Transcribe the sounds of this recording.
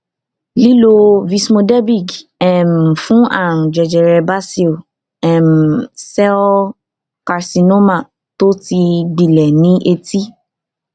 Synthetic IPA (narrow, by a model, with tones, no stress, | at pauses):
li˦lo˧vi˧smo˧dɛ˦bi˦˨ɡɛ˦˨m̩˨fũ˦a̰˦˨ɾ̃ũ˨d͡ʒɛ˨d͡ʒɛ˨ɾɛ˧ba˦si˦˨ | ɛ˨m˨sɛ˦ | ka˧ɾsi˧no˦ma˦˨ | to˦ti˧ɡ͡bi˨lɛ˨nĩ˦ʔe˧ti˦